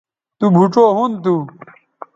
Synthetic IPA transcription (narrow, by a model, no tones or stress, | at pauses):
t̪ubʱuʈ͡ʂoːɦunt̪u